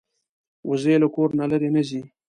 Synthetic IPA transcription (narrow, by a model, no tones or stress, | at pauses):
wʊzelakoɾnalaɾenəzi